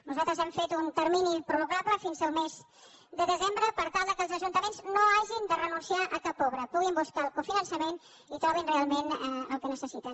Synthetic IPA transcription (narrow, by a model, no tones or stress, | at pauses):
nuzalˠt̪ɾəzɛmfet̪unt̪əɾminipɾuβukapləfinzəlˠmez | d̪əðəzembɾəpəɾt̪alˠd̪əkəlˠzəʒunt̪əmenznoaʒind̪ərənunsiaʔəkapɔβɾəpuɣ̞imbuskaəlˠkufinənsəmen | it̪ɾɔβ̞inrealˠmenəəlˠkənəsəsit̪ə